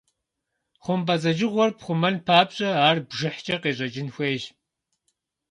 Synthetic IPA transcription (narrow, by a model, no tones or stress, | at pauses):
χʷʊmbɐzɐd͡ʒɪʁʷɔrpχʷʊmɐnpʰaːpɕʼɐaːrbʒɪħt͡ʃʼɐqeːɕʼɐd͡ʒʼɪnxʷeːʒ